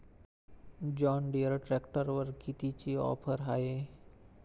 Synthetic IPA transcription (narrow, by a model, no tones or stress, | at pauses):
d͡ʒɔːnɖiəɾʈɾɛːkʈəɾʋəɾkit̪it͡ʃiɔ̰ːpʰəɾɦaːeː